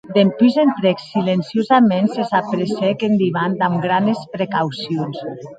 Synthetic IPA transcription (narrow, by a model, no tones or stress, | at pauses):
d̪empyzent̪ɾɛksilensiozamensesapɾesɛkend̪iβand̪amɡɾanespɾekawsions